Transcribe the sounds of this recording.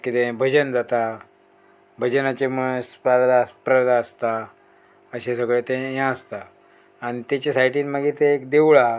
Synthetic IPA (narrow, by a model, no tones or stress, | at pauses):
kit̪ẽbʱəd͡ʑənd͡zat̪a | bʱəd͡ʑənat͡ɕeməspaɾd̪aspɾəd̪aəst̪a | əɕesəɡɭet̪ẽjãəst̪aː | ɽ̃it̪jat͡ɕesajʈiːnməɡiːɾt̪eːkd̪ewɭa